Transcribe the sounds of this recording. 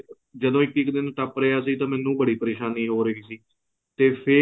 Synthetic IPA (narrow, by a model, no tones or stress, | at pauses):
d͡ʒəd̪õːɪkɪkd̪ɪnʈəpɾeːaːsiːt̪ãːmɛ̃ːnːũːbəɽiːpəɾeːʃaːniːɦoːɾəiːsiː | t̪eːpʰɪ